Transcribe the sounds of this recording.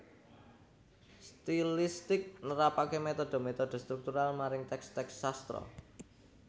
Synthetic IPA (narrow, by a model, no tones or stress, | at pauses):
st̪ilist̪ɪk̚nəɾapakemet̪ɔd̪̥o̤met̪ɔd̥o̤st̪ɾuk̚t̪uɾalmaɾɪŋt̪ɛkst̪ɛksːast̪ɾɔ̰